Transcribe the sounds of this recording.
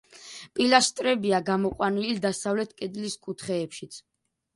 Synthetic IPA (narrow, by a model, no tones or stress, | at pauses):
pʼilast̪ʼɾɛbiaɡamɔqʼwanilid̪asavlɛt̪ʰkʼɛd̪liskʼut̪ʰχɛːpʃit̪sʰ